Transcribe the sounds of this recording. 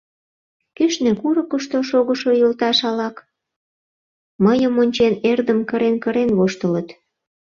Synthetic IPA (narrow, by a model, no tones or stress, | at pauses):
keʃnĕkuɾə̆kə̆ʃt̪oʃoɣə̆ʃojəlt̪ɑʃɑlɑk | məjəmonʲt͡ɕenerd̪əmkəɾenkəɾenβoʃt̪ələt̪